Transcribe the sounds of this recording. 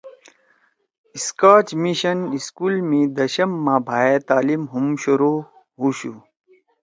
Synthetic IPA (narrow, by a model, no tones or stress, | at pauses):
iskaːt͡ɕmiɕɐniskuːlmĩd̪ɐɕɐmːãbʱaːet̪aːlimɦumɕoɾo | ɦuɕu